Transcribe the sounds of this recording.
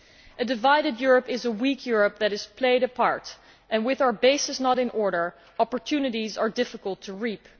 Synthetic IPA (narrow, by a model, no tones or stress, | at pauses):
ʔɨdɨvaɪɾɨdjʊɹəpɪzəwikʰjʊɹəp̚ðɨɾɨz̥pʰleɪɾɨpʰɑɹt | ʔɨ̃nwɪðaʊə˞beɪsɨsnəɾɨ̃nʔɔɹɾə˞ | ɑpəɹtʰʉnɨɾizə˞dɪfəkəlˠtʰuɹip